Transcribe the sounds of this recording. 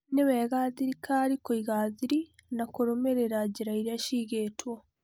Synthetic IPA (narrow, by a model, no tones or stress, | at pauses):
newɛːɣaːðiɾikʰaɾikoiɣaðiɾinakoɾomeɾeɾaɟiɾaiɾiaʃiɣeːtwo